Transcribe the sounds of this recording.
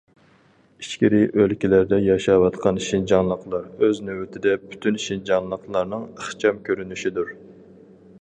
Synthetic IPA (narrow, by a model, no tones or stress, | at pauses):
iʃkʲiɾɪʔølkʲilæɾd̪ɛjɑʃɑwɑt̪qʰɑnʃind͡ʒɑŋlˠəqʰlˠɑɾøznøwɪt̪ʰɪd̪ɛpʰy̥t̪ʰynʃind͡ʒɑŋlˠəqlˠɑɾnɨŋæχt͡ʃʰɑmkʲʰøɾynyʃid̪uɾ